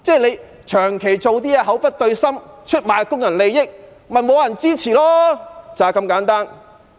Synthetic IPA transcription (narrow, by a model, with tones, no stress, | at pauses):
t͡sɛː˥˩le˨˧j | t͡ʃʰœː˨˩ŋkʰe˨˩jt͡so˨wt̪̬iː˥jaː˧ɦɐ˨˥wpɐ˥t̚t̪ɵ˧ɥsɐ˥mt͡ʃʰɵ˥t̚maː˨jkʊ˥ŋjɐ˨˩nle˨˧jjɪ˥k̚ | mɐ˨˩nmo˨˧jɐ˨˩nt͡siː˥t͡sʰiː˨˩lɔː˥t͡saː˨˩kɐ˧mkaː˨˥nt̪aː˥n